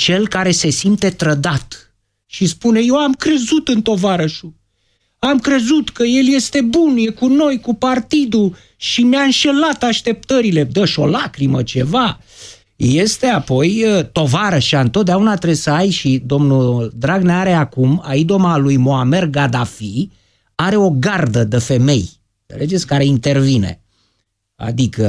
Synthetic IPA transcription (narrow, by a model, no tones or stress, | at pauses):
t͡ʃe̞lkaɾe̞se̞simt̪e̞t̪ɾəd̪at̪ | ʃispune̞je̞wamkɾe̞zut̪ɨnt̪o̞vaɾəʃu | amkɾe̞zut̪kəje̞lje̞st̪e̞bunjekuno̞jkupart̪id̪u | ʃimjaɨnʃe̞lat̪aʃt̪e̞p̚t̪əɾile̞d̪əʃo̞lakɾimət͡ʃe̞va | je̞st̪e̞apo̞jət̪o̞vaɾəʃiaɨnt̪ot̪̚d̪aunat̪ɾesəajʃid̪o̞mnud̪ɾaɡneaɾeakumaid̪o̞malujmoame̞rɡad̪afi | aɾe̞o̞ɡard̪əd̪efe̞me̞j | nsḛle̞d͡ʒet̪sʲkaɾe̞int̪e̞rvine̞̰ | a̰d̪ikə